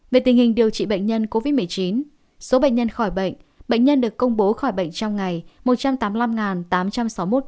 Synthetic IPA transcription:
ve˨˩t̪i˨˩ŋ̟hï˨˩ŋ̟ɗi˨˩əwt͡ɕḭ˧˨ɓə̰˧˨ŋ̟ɲə˧nko˧vi˦˥t̚mɨ˨˩əjt͡ɕi˨˦n | so˨˦ɓə̰˧˨ŋ̟ɲə˧nxɔ˧˩jɓə̰˧˨ŋ̟ | ɓə̰˧˨jŋɲə˧nɗɨ˨˩əkːə˧wŋ͡mɓo˨˦xɔ˧˩jɓə̰˧˨jŋ̟t͡ɕɔ˧wŋ͡mŋa˨˩jmo˨˩t̚t͡ɕa˧mt̪aː˨˦mla˧mŋaː˨˩nt̪aː˨˦mt͡ɕa˧msa˨˦wmo˦˥t̚

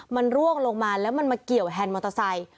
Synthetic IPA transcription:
ma˧nɾu˥˩əŋlo˧ŋmaː˧lɛː˦˥wma˧nmaː˧ki˨˩əwɦɛː˧nmo˧˩t̪ʰa˧sa˧j

